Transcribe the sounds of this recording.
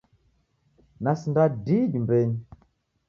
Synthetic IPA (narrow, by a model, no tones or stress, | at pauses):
nasindadiɗimbɛɲi